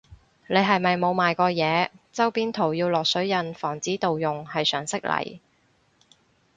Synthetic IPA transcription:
ne˨˧jɦɐ˨jmɐ˨jmo˨˧wmaː˨jkɔː˧jɛː˨˧t͡sɐ˥wpiː˥nt̪ʰo˨˩wjiː˧wlɔː˨k̚sɵ˨˥ɥjɐ˨nfɔː˨˩ŋt͡siː˨˥t̪o˨wjʊ˨ŋhɐ˨jsœː˨˩ŋsɪ˥k̚lɐ̰˨˩j

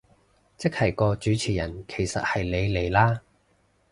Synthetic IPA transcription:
t͡sɪ˥k̚hɐ˨˩jkɔː˧t͡ʃyː˨˥t͡sʰiː˨˩jɐ˨˩nkʰe˨˩jsɐ̰˨t̚hɐ˨jle˨˧jle˨˩jlaː˥

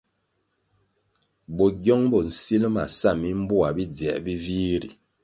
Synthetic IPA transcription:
bɔ˨ɡɔ˦ŋbɔ˨n̩˨si˦lma̰˨sa˦˨mi˦m̩˦bu˦a˨bi˦d͡zjɛ̰˨ʔbi˦vi˦ɾḭ˨

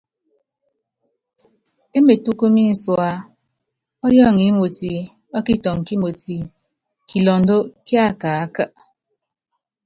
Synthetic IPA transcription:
e˦me˨tu˦ko˦mi˦n̩˨swa˨ | ɔ˦jɔ˦˨ŋi˨˦mo˨ti˨ | ɔ˦ki˦tɔ˨ŋ˨ki˦mo˨ti˨ | ki˨lɔ˨n˦do˦kja˦˨kaː˨a˦kə˦ʔ

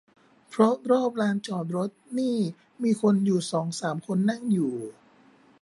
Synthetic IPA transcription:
pʰɾɔ˦˥ɾɔː˥˩p̚ɾaː˧nt͡ɕɔː˨˩t̪̚ɾo˦˥t̪̚niː˥˩ | miː˧kʰo˧njuː˨˩sɔː˩˦ŋsaː˩˦mkʰo˧nːa˥˩ŋjuː˨˩

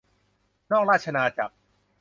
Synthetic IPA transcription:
nɔː˥˩k̚ɾaː˥˩t̪̚ʰa˧naː˧t͡ɕa̰˨˩p̚

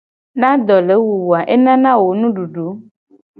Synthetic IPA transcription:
nã˦d̪ɔ˨le˨˦wu˨wu˨a˨ʔe˦nã˦nã˦wo˨nũ˦ɖu˨ɖu˨˦

